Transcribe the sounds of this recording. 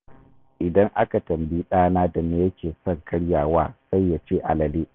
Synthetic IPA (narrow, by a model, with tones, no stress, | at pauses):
ʔɪ˨dɐ˦ŋʔa˦ka˨tɐ˨mbi˦ɗaː˦naː˦da˨neː˦jɐ˦kʲeː˨sɔ˦˨ŋkʰɐ˦ɽjaː˨waː˦sa˦jːa˨t͡ʃeː˦˨ʔa˨lɐ˨leː˦ʔ